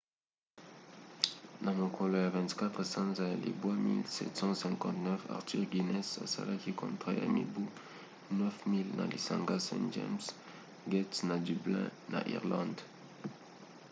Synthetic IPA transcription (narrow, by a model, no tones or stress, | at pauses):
nãmɔ̃kʰɔlɔavɛ̃nt̪kat̪χəsɑ̃nzalḛbwamilsɛ̰t̪sɑ̃sɛ̃kɑ̃nt̪nɛfa̰ʁt̪yʁɡinɛsa̰sa̰lakikɔ̃nt̪χaa̰mibu | nœfmild̪ɑ̰̃lʔesɑ̃ŋɡasɛ̰̃d͡ʒɛ̰ms | ɡɛt̪nad̪yblɛ̃na̰ʔḭʁlɑ̃d̪